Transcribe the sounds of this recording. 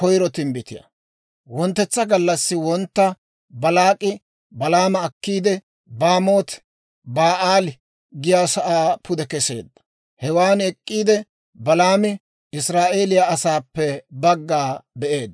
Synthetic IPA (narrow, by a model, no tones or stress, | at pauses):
kɔjɾɔt̪ɪmbɪt̪ɪ̰jɐ̰ | wɔnt̪ːɛt͡sːɐɡɐlːɐsːɪwɔnt̪ːɐ | bɐlaːkʼɪ | bɐlaːmɐːkːiːd̪ɛ | baːmoːt̪ | baːʔaːlɪ | ɡɪjaːsɐʔaːpʰʊd̪ɛkɛse̞̰ːd̪ːɐ̥ | hɛwaːnɛkʼːiːd̪ɛ | bɐlaːmɪ | ɪsɾaːʔe̞ːlɪjaɐsaːpːɛbɐɡːaːbɛʔeːd̪ː